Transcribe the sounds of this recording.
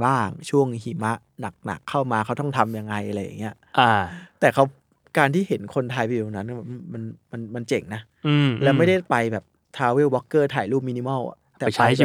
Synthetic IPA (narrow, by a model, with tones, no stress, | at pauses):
baː˥˩ŋt͡ɕʰu˥˩əŋhiː˨˩ma˦˥ʔna˨˩k̚na̰˨˩kʰːa˥˩wmaː˧kʰa˦˥wt̪ɔ˥˩ŋt̪ʰa˧mja˧ŋːa˧jʔa˧ɾa˧jːa̰˨˩ŋːi˦˥ɐʔʔa˧˩t̪ɛː˨˩kʰa˦˥w | kaː˧nt̪ʰiː˥˩ɦe˩˦nkʰo˧nt̪ʰa˧jpi˧˨˩ŋna˦˥nkːma˧nma˧nma˧nt͡ɕe˨˩ŋnaː˦˥˧ | lɛː˦˥wma˥˩jda˥˩jpa˧jbɛː˨˩p̚ | t̪ʰaː˧wiː˥˩wɔː˦˥kːɤː˥˩t̪ʰaː˨˩jluː˥˩p̬̚mi˧ni˧mɔ˥˩w̰̪ɛː˨a˧˦˥